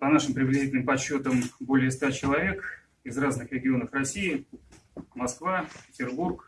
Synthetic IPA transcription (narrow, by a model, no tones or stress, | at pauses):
pɐnaʂɨmpɾʲɪblʲɪzʲitʲɪlʲnɨmpɐt͡ɕːo̞t̪əmbo̞lʲɪəst̪at͡ɕɪlˠɐvʲe̞k | ɪzraznɨxɾʲɪɡʲɪo̞nəfrɐsʲijɪ | mɐskvapʲɪtʲɪrburk